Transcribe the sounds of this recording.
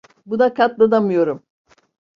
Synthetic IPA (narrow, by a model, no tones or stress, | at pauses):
bunakʰat̪lˠad̪amɯjo̞ɾum